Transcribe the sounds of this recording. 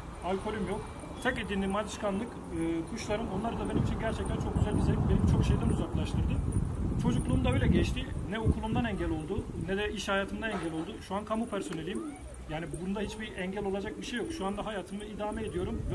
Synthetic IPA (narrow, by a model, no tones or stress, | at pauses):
alʲkʰo̞lʲymjo̞k | t̪ʰɛked̪iːnd̪imad̪ɯʃkʰanlˠɯk | ɯːkʰuʃlˠaɾɯmo̞nlˠaɾɯd̪abe̞nimt͡ʃʰinɟæɾt͡ʃʰɛc̚t̪ʰænt͡ʃʰo̞k̚ɟyzælʲbizælʲbiblʲibt͡ʃʰo̞kʃe̞jd̪ænuzaklˠaʃt̪ʰɯɾd̪ɯt͡ʃʰo̞d͡ʒuklˠuːmd̪aøjlʲɛɟɛt͡ʃt̪ʰinɛokʰulˠumd̪anɛɲɟælʲo̞lˠd̪unɛd̪ɛiʃhajaːt̪ʰɯmd̪anɛɲɟælʲo̞lˠd̪uʃuankʰamupʰæɾso̞ne̞lʲim | jaːnibubunud̪aɦit͡ʃbiʔɛɲɟælʲo̞lˠad͡ʒak̚biʃejokʃuand̪aɦajaːt̪ʰɯmɯid̪aːmɛed̪ijo̞ɾum